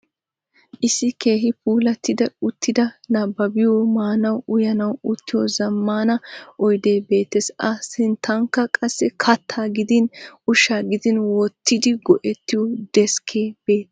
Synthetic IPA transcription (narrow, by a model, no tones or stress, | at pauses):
ʔɪsːɪke̞ːɦɪpuːlɐt̪ːɪd̪ɐʊt̪ːɪd̪ɐnɐbːɐbɪjomaːnɐwʊjɐnɐwʊt̪ːɪjɔzɐmːaːnɐʔɔjd̪e̞ːbe̞ːt̪ːesɐsɪnt̪ʰːɐŋkːɐkʼɐsːɛkʰɐt̪ʰːaːɡɪd̪ɪnʊʃaːɡɪd̪ɪnwɔt̪ːɪd̪ɪɡɔʔɛt̪ːɪjɔd̪ɛskʰeːb̥e̞ːt̪ː